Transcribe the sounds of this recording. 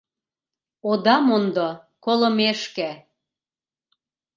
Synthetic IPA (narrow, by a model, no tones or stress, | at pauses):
od̪ɑmond̪o | kolɤ̆meʃkæ